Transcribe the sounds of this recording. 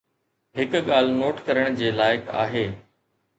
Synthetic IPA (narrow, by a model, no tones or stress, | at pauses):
ɦɪkɠaːl̤noːʈkɐɾəɽ̃d͡ʑeːlaːɪkʰa̰ːɦeː